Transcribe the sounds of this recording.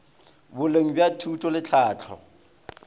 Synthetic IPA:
bʊleŋ̩bjatʰutʼɔlɪt͡ɬʰaːt͡ɬʰɔ̰

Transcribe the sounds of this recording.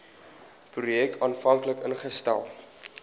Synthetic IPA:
prujɛkɑːnfɐŋkləkənχəstæ̰lˠ

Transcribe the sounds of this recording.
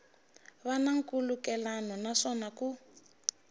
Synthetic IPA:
βanaŋ̩kulukɛlanɔnaʂɔnaku

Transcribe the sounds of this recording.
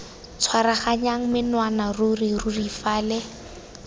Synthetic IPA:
t͡sʰwaɾaχaɲaŋ̩mɪnwanarʊrirʊrifaːlɛ

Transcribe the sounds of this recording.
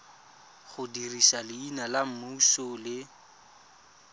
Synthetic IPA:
χʊdirisalɪinalam̩musʊlɪ

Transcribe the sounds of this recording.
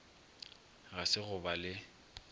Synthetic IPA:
ɣasɪɣʊbalɪ

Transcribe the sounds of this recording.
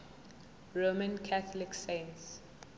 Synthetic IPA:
ɹomə̃nkʰaθɔliksẽns

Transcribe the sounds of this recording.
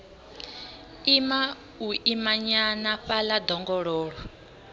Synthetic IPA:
ima | uʔimaɲanaɸalad̪ɔŋɡɔɺɔːɺɔ

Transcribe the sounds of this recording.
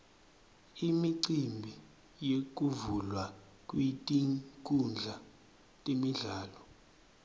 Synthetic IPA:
imiǀimbʱi | jek̬ʼuvulwa | kʼwitʼiŋkʼund͡ɮʱa | tʼemiɮaːlɔ

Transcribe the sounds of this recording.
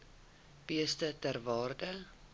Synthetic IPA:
b̥iəstətærvɑːrdə

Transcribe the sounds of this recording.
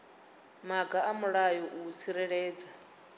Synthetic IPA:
maɡaamuɺajɔʔut͡sʰiɾɛɺɛːd͡za

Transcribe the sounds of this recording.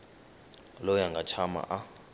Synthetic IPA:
lɔjaŋɡʱat͡ʃʰama̰ʔa

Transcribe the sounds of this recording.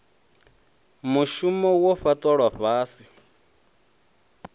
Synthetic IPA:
muʃumɔwɔɸatʼɔɺwaɸaːsi

